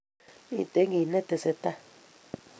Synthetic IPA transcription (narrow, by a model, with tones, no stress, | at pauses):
ĩ˦˧˨t̪e˨˦ŋɡi˨nẽ˦t̪e˧se˧t̪a˦